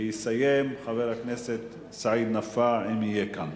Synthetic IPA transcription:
jisajemχaveʁhakneset̪ | saʕid̪nafaʕimhijekan

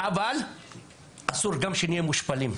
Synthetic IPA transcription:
ʔaval | ʔasuɾɡamʃeniamuʃpalim

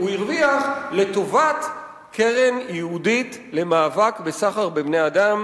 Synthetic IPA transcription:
uiʁviaχle̞to̞vat | kʰeʁenjihuditle̞maːvakbesaχaʁbebneadam

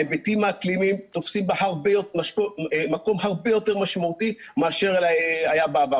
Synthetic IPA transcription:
ebet̪imaaklimimt̪ofsimbaɦaʁbejotmaʃomako̞mhaʁbejo̞t̪e̞ʁmaʃmaut̪i | meaʃeʁlaajabaaba

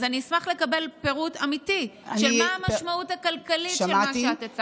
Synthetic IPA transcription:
zaniismaχle̞kabe̞lpe̞ʁutamitiʃelmmaːmaʃmautakalkalitʃemaʃeat̪at͡s

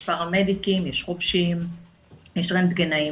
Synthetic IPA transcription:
paʁamed̪ikimjeʃχofʃim | jeʃʁent̪ɡenai

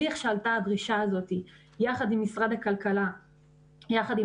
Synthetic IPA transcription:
iχʃaltaadʁiʃaazo̞t̪i | jaχadimːisʁad̪hakalkala | jaχadi

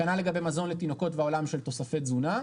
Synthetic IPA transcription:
analeɡabe̞jmazo̞nlet̪ino̞ko̞tveao̞lamʃelt̪o̞safetzuna

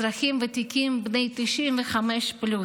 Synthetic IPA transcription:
ɾaχimvet̪ikimbnejt̪iʃimveχameʃplu

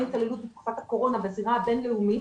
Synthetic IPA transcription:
italelut̪̚bet̪̚ku̥fat̪hako̞ʁo̞naveaziʁabe̞nleumi

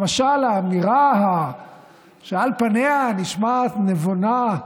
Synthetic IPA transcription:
maʃalaːmiʁaɦa | ʃealpaneaniʃmaːt̪nevona

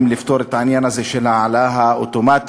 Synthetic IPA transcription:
mlɪft̪oːɾɪt̪ːʕanjanazeʃɪlaʕalaːɦaʔʊt̪ʊmaːt̪

